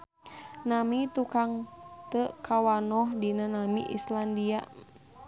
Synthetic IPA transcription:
namit̪ukaŋt̪əʔkawanɔhdinanamḭʔḭslandiaʔ

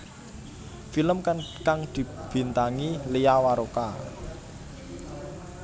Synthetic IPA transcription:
filəmkkaŋd̪̥i̤b̥i̤nt̪aŋileawaɾoka

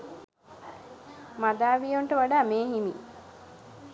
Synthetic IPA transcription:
mad̪aːʋijoɳʈəʋaɖaːmeːɦimi

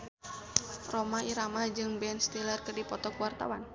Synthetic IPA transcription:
romaiɾamad͡ʒɨŋbɛnst̪ilərkərdipɔt̪ɔkwart̪a̰wan

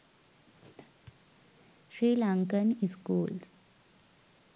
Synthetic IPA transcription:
ɕɾiːlaŋkəniskuːls

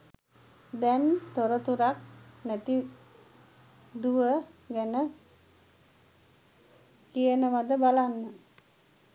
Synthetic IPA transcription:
d̪ɛnt̪oɾət̪uɾak̚næt̪i | d̪uʋəɡænə | kijənəʋad̪əbalanːə

